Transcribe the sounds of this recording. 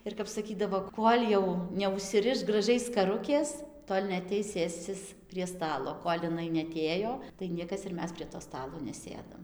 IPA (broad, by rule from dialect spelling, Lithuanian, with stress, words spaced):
ɪr kɐp sɐˈkʲiːdɐʋoː ˈkoːlʲ jɛʊ nʲɛʊʃʲsʲɪˈrʲɪʃ ɡrɐˈʒʲɛɪ skɐˈrʊkʲeːs ˈtoːlʲ nʲɛɐˈtʲɛɪs ˈsʲeːsʲt͡sʲɪs pʲrʲiɛ ˈstɑːlˠoː ˈkoːlʲ ɪˈnɐɪ nʲɛɐˈtʲeːjoː tɐɪ ˈnʲiɛkɐs ɪr ˈmʲɛs pʲrʲiɛ toː ˈstɑːlˠoː nʲɛˈsʲeːdɐm